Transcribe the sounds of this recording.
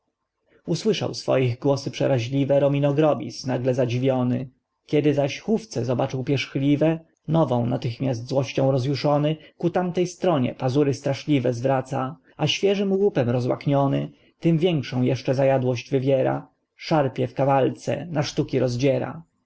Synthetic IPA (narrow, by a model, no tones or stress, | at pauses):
uswɘʂa̰wsfɔ̰jiɣɡwɔsɘpʂɛ̰ɾaʑlʲivɛɾɔmʲinɔɡɾɔbʲḭsnaɡlɛzad͡ʑivʲjɔnɘ | kʲɛd̪ɘzaɕxuft̪sɛzɔbat͡ʂɘwpʲjɛʂxlʲivɛ | nɔvɔ̃w̃nat̪ɘxmʲjasd̪zwɔɕt͡ɕɔ̃w̃ɾɔzjuʂɔnɘkut̪amt̪ɛjst̪ɾɔɲɛ̰pazuɾɘst̪ɾaʂlʲivɛzvɾat̪sa | aɕfʲjɛʐɘmwupɛmɾɔzwa̰kɲɔnɘ̰ | t̪ɘmvʲjɛŋkʂɔ̃w̃jɛʂt͡ʂɛzajad̪wɔɕd͡ʑvɘvʲjɛɾa̰ | ʂaɾpʲjɛfkavalt̪sɛ̰naʂt̪ukʲiɾɔzd͡ʑɛɾa̰